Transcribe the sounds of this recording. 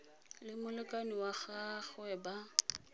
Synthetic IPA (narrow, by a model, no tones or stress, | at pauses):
lɪmʊlɪkʼaniwaχaχɛba